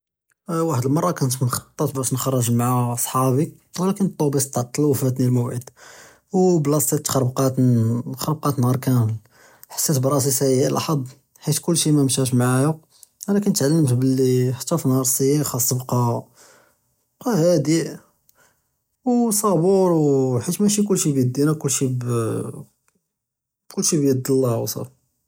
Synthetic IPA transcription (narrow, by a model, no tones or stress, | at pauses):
waħd̪əlmɑrˤːɑkænt̪nxɑ̥t̪ˤːət̪bæʃnxɑrˤːəʒmaʕaɑsˤħɑbik | wlækənt̪ˤːobisˤt̪ːɑʕt̪ˤːɑluwfæt̪nilmowʕəd̪ | wblɑsit̪ːxɑɾˤbqɑt̪xɑɾˤb̚qɑt̪nhɑɾˤkæməl | ħḁsːæt̪bɾˤɑs̬isæjæʔlʔɑ̰ħɑd̪ˤ | ħit̪kʊlːʃimæmʃæʃ̬maʕajʊ | ælækænt̪ʕalːəmt̪bəlːiħt̪ːɑfnhɑɾˤsˤijixɑsˤːbqɑ | qæhæd̪i | wsˤɑbuɾwħit̪mæʃ̬ik̬ʊlːʃibjəd̪ːinækʊlːʃib | kʊlːʃibjəd̪ːəlːæwsˤɑ̰f